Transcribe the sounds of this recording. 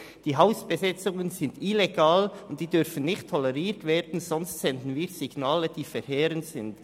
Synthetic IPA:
d̥iːɦaʊsb̥əzɪt͡sʊŋənzɪndileɡaːlʊnt̚d̥iːdʏɾfən̩nɪçtʰːɔlɛʁiːɾtveːd̥n̩zɔnstsɛndn̩viːɾz̥ɪɡnaːləd̥iːfɛɾheːɾəntsɪnd

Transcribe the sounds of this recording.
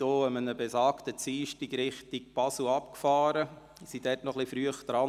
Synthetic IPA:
oːəmənəbesɑːktət͡siːʃtɪɡɾɪχtik̚pɑsl̩ʊɑpkfɑːɾə | sid̥ɛɾtnɔχlifɾyəχd̥̪ɾɑ

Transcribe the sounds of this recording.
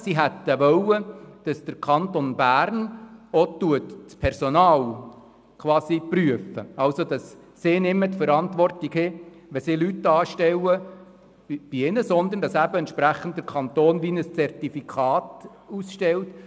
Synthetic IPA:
siɦæt̪ːəʋœwəd̥ɑsd̥əɾkʰɑntonbæːɾnɔt̪uətt͡spʰɛɾsɔnɑːl | kʰwɑːsipryəfə̰ɑlsodɑsː | ɪːnɪmːət̪fəɾɑntʋɔrtiɡhɪ | ʋɛsɪlytːɑːʃtɛwə | b̥iɪnəsɔnd̪əɾndɑsæbəɛntt͡ʃʃpɾæχːən̩ddəɾkʰɑnt̪oːnʋinəst͡sɛrtifikʰɑːt | usʃtɛlt

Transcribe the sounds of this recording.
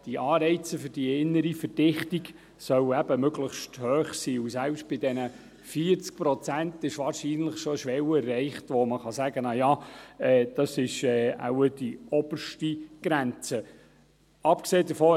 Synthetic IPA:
d̥iʔɑːɾɛɪt͡səfɵɾd̥iɪnːəɾifəɾd̥ɪχtiɡ | sœwɛb̥əmøɡləχʃthøːχsiːusælpʃt̚b̥ɪdɛnə | fiəɾt͡sk̚pɾɔt͡sæntɪʃʋɑːɾʃiːnləχʃɔʃʋɛwɛrːɛɪχtʋɔməχɑsæɡənɑjɑːɛːd̥ɑsɪʃɛːa̰wədiɔb̥ərʃtiɡ̥ɾænt͡sə | ɑpkseːdəfɔː

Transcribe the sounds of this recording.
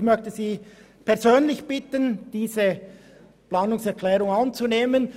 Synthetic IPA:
mœçtəziː | pʰɛɐzøːnlɪçb̥ɪtənd̥iːzə | plaːnʊŋsɛʁkʰlɛːʁʊŋɑnt͡suneːmən

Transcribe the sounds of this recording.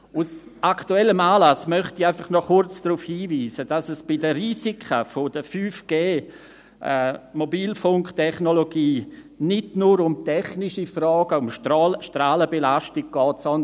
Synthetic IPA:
usʔaktuɛlːəmaːlasmœχtiaɪfɑχnɔχʊɾt͡sd̥ruːfhiːviːsəd̥asɛsb̥ɪdərisikʰəfodəfyːfɡ̥eː | ʔɛmobiːlfʊŋktʰɛχnoloɡiː | nɪdnuɾʊmtɛχnɪʃifrɔːɡ̥əʊmʃʃtɾaːləbelaʃtɪɡ̥̚ɡ̥ɔːtsɔndə

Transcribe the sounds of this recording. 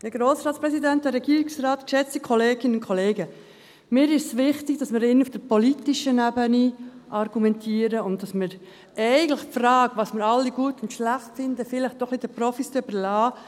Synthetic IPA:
həɡɾoːsɾɑːtt͡sspɾɛsidænt̚dəɾɛɡiːɾɪksɾɑːtkʃɛt͡stikʰɔleːɡ̥ɪnəʊnkʰɔleːɡə | mɪːɾɪʃsʋɪχtɪɡ̥̚d̥ɑsmɪɾɪnufd̥əɾpɔlitɪʃənæbəniʔɑɾɡ̥umɛntʰiːəɾəʊnt̚d̥ɑsmɪɾ | ɛɪɡən̩tlɪχpfɾɑːɡʋɑsmɪɾɑlːiɡuətʊntʃlæχtfɪndəfɪlɪχtd̥ɔχlid̥əpɾɔfist͡sʏb̥əɾlɑː

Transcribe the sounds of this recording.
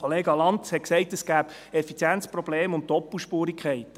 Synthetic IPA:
oleːɡɑlɑnt̪shɛtksɛɪtəsɡ̥æːb̥ | ɛfit͡sjɛnt͡sprɔbleːmʊnttːɔpuʃpuːɾikχɛɪt̪

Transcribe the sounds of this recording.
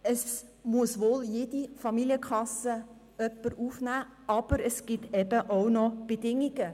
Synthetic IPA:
əsmuəsʋoːljeːd̥ifɑmiliəkʰχɑsə | œpːəɾufnæːɑb̥əɾəsɡ̥ɪtɛbəʔownɔb̥edɪŋiɡə

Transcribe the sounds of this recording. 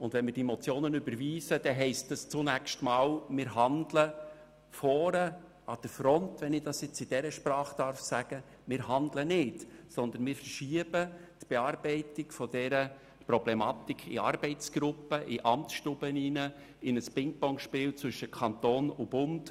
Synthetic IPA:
ʊndʋɛnmɪːɾd̥imɔt͡sjoːnənʏbəɾviːsəd̥ɛɦɛɪstəst͡sʊnækʃtmɑːlmɪːɾɦɑndlə | fɔːɾə | ɑd̥əɾfɾɔntʋɛnɪd̥ɑsjɛt͡sɪd̥ɛɾəʃpɾɑːχd̥ɑɾfsæɡ̥ə | mɪːɾhɑndlənɪtsɔnd̪ənmɪːɾfərʃiəb̥ətb̥eɑɾbɛɪtɪɡ̥fɔd̥ɛɾə | prɾɔblɛmɑt̪ikʰːɪ̰ɑ̰ɾb̥ɛɪt͡sɡ̥ɾʊpːəʔɪʔɑmt͡sʃtʊbəninə | ɪnəspɪŋk̚bɔŋʃpɪːlt͡sʋʏʃəkʰɑnt̪oːnʊb̥ʊnd̥

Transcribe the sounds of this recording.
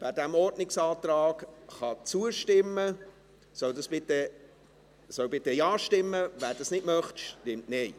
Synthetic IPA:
væːɾdæmɔrdnɪksɑːt̪ɾɑːɡχɑt͡suəʃtɪmːə | sœwdɑsb̥ɪt̪ə | sœwbɪt̪ːəjɑːʃtɪmːəʋæːɾd̥ɑsnɪtmœχt̪ʃtɪmtnɛɪ

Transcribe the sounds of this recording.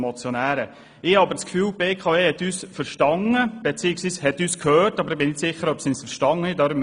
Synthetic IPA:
mɔt͡sjonæːɾə | ɪhɑɑbəɾt͡skfyːlbeːkʰɑehɛt̪ːyːsfəɾʃtɑŋəb̥ɛt͡siːɪksʋiːshɛt̪yːskʰhøːtɑbəɾɪbɪnɪtsɪχəɾœpsinɪsfəɾʃtɑŋəɪdɑɾm

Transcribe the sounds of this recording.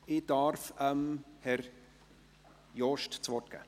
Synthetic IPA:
ɪd̥ɑɾfəmhɛɾ | jɔʃtt͡svɔt̚ɡ̥ɛ̰ː

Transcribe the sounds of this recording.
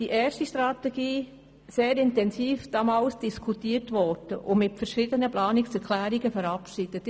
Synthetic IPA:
d̥iʔeːɾʃtiʃtɾɑtɛɡ̥iː | seːɾɪntɛnsiːfd̥ɑmɑːlsd̥iskʰutiːəɾtʋɔd̥əʔʊmɪtfɛɾʃidənəplɑːnɪksɛɾkʰlæːɾiɡəfəɾɑpʃiːd̥ət

